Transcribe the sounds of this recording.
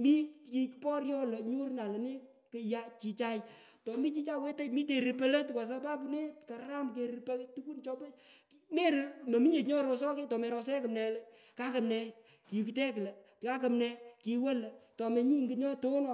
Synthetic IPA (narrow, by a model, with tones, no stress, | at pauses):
mi˦ki˨kpɔ˦ɾjɔ˦lə˨ɲu˦ɾna˨lə˨ne˦ | kɪ˧ja˦t͡ʃi˧t͡ʃa˦j | tɔ˨mi˦t͡ʃi˦t͡ʃa˦we˦te˦jmi˦te˨ɾi˨pe˦le˦tka˨s̬a˦pa˦p̬u˧ne˦ka˨a˦mk̬e˨ɾipe˦tu˦ku˦nt͡ʃɔ˦pe˦ | me˦ɾno˨mi˦ɲe˨tɲɔ˦ɾo˨s̬ɔ˦ke˦tɔ˨mɛ˨ɾɔ˧sɛ˦kɨ˨mnɛ˨le˦ | ka˦kɐ˨mnɛ˧ | ki˨ki˨tɛ˦kle˨ | ka˦kɐ˨mnɛ˧ki˨we˦lə˨tɔ˨me˨ɲi˦ŋɡɪ˦ɲɔ˦to˦nɔ˨